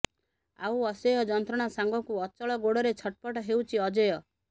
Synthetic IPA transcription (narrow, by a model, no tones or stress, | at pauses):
a̰wɔsɔjɔd͡ʒɔnt̪ɾɔɽ̃asaŋɡɔkuɔt͡ʃɔɭɔɡoɽɔɾet͡ʃʰɔʈ̚pɔʈɔɦewt͡ʃʰiɔd͡ʒɔjɔ